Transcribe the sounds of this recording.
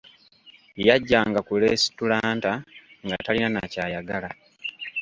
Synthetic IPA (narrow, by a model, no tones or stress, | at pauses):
jaɟːaːŋɡakuleːsi̥tulaːntaŋɡatalinanacaːjaɡala